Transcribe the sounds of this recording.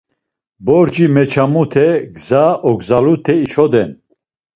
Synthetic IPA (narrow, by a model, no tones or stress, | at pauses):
bɔɾd͡ʒimɛt͡ʃʰamut̪ʰɛɡzaʔɔɡzalut̪ʰɛit͡ʃʰɔd̪ɛn